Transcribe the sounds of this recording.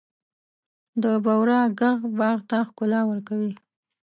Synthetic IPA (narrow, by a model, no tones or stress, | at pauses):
d̪əbawɾɑɡaɣbɑɣt̪axkʊlɑwəɾkawi